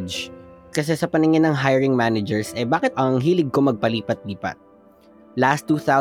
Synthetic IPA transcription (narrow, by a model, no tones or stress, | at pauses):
d͡ʒkɐs̬ɛsɐpɐnɪŋɪnːɐŋɦajɛɹɪŋmanɐd͡ʒɛɹsʔɛbaːkɪt̪̚ʔɐŋɦiːlɪɡ̚komɐɡ̚pɐliːpɐt̪̚liːpɐ̰t̪̚ | last̪ːuːθaw